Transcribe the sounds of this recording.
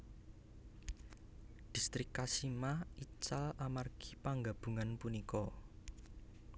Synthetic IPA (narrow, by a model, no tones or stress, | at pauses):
d̥i̤st̪ɾɪkːasimait͡ʃalamarɡ̥i̥paŋɡab̥ṳŋanpunikɔ